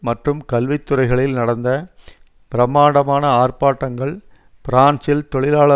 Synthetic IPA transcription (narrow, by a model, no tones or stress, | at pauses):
mɐʈrɯmkɐlʋɪt̪ːɯrɐɪɣɐɭɪlnɐɽɐnd̪ɐ | pɪɾɐmaːɽɐmaːnɐaːrpaːʈːɐŋɡɐɭ | pɪɾaːnsɪlt̪ɔɭɪlaːɭɐ